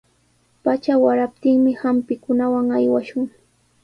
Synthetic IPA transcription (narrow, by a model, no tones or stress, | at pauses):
pat͡ʃawaɾap̚t̪ɪŋmɪhampɪkʊnawaŋajwaʃʊŋ